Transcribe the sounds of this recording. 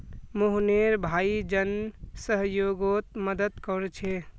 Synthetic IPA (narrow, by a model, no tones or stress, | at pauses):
moɦneɾbʱaːid͡ʒənsəɦjoɡot̪̚məd̪əd̪kɔɾt͡ʃʰe